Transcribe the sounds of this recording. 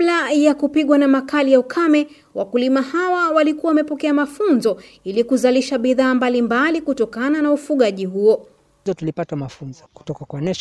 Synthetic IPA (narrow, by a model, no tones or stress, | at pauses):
lajakupiɠwanamakalijaukʰamɛ | wʔakulimahawawalikuwawamɛpɔkɛamafunzɔ | ilikuzaliʃaɓiðaːmbalimbalikutɔkananaufuɠaʄiɦuɔ | ɔtulipatamafunzɔku̥tɔkakwanɛʃ